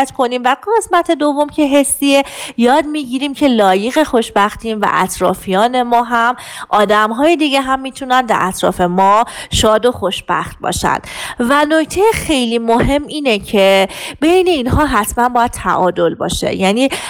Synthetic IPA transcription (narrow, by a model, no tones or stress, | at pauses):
t̪kʰo̞niːmvæɡe̞smæt̪ʰe̞d̪o̞vo̞mcʰe̞ɦesːiejɒːd̪miːɟiːɾiːmcʰe̞lɒːjeɣe̞xo̞ʃbæxt̪invæ̰ʔæ̰t̪ʰɾɒ̰ːfijɒːne̞mɒːɦæm | ʔɒːd̪æmɦɒːjed̪iɡeɦæmːiːt̪ʰunænd̪æ̰ɾæt̪ʰɾɒ̰ːfe̞mɒːʃɒːd̪o̞xoʃb̥æ̰xt̪̚bɒ̰ːʃæ̰nd̪vænoct̪ʰejexe̞jliːmoɦe̞mːʔiːnecʰe̞bejne̞inɦɒːɦæt̪ʰmænbɒːjæd̪̚t̪ʰæ̰ʔɒːd̪o̞lbɒ̰ːʃḛjæːniː